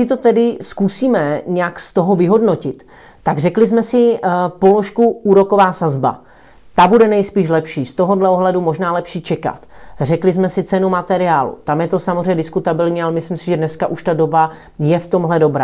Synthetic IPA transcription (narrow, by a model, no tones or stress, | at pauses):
sɪt̪o̞t̪ɛdɪskusiːmɛɲɛjakst̪o̞ɦovɪɦo̞dnocɪt̪ː | aɡrɛklɪsmɛsɪpo̞lo̞ʃkuuːɾo̞ko̞vaːsazba̰ | t̪abudɛnɛjspiːʃ̬lɛpʃiːst̪o̞ɦo̞dlɛo̞ɦlɛdumo̞ʒnaːlɛpʃiːt͡ʃɛka̰t̪r̝ɛklɪsmɛsɪt͡sɛnumat̪ɛɾɪaːlṵt̪amjɛt̪o̞samozrɛjɲɛdɪskut̪abɪlɲiːalɛmɪslɪmsɪʒɛdnɛskaʔuʃt̪ado̞ba | jɛft̪o̞mɦlɛdo̞bɾa̰ː